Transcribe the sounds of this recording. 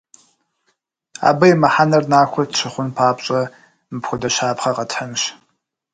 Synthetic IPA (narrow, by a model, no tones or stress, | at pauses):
a̰ːbɐjmɐħanɐrnaːxʷɔtt͡ʃʰɪχʷʊnpʰaːpɕʼɐ | mɨpxʷʊdɐʃaːpχɐqɐtʰħənʃ